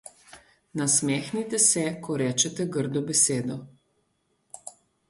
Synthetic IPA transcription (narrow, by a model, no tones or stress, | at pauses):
nasmɛːxnit̪ɛsɛkʰɔɾɛːt͡ʃɛt̪ɛɡəɾd̪ɔbɛseːd̪ɔ